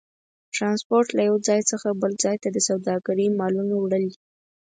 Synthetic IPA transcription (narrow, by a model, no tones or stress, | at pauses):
ʈɾɑnspoɾʈlajawd͡zɑjt͡səxabəld͡zɑjt̪ad̪əsawd̪ɑɡaɾəmɑlunawɽəld̪i